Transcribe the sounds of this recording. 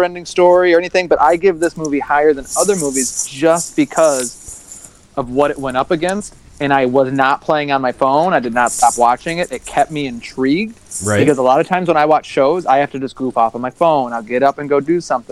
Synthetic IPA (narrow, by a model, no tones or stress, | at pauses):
ɛ̃ndɪ̃ŋstɔɹiə˞ɛniθɪ̃ŋbʌɾʔaɪɡɪvðɪsmuvihaɪə˞ðɨ̃nʌðə˞muvizd͡ʒʌs̚b̥ɨkʰʌz | ʔʌvwʌɾɨt̚wɛ̃ɾ̃ʌpɨɡɛ̃nst | ɨ̃ñaɪwʌznət̚pʰl̥eɪɪ̃ŋə̃nmaɪfõʊ̃naɪdɨdⁿnətstɑpwɑt͡ʃɪ̃ŋɪɾɨt̚kʰɛp̚t̚miɨ̃ntʰɹ̥iɡ̚dɨkʌzəlɑɾʌv̥tʰãɪ̃mzwə̃naɪwɑt͡ʃʃoʊza̰ɪhæftɨd͡ʒʌsɡ̥ɹupɔfn̩maɪfõʊ̃naɪlˠɡɛɾʌpɨ̃nɡoʊdɨsʌ̃mθɪ̃ŋ